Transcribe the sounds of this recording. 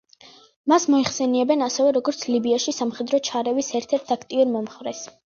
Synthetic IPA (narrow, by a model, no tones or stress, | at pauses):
masmɔiχsɛniɛbɛnasɛvɛɾɔɡɔɾt̪sʰlibiaʃisamχɛd̪ɾɔt͡ʃʰaɾɛvisɛɾt̪ʰɛɾt̪ʰakʰt̪ʼiuɾmɔmχɾɛs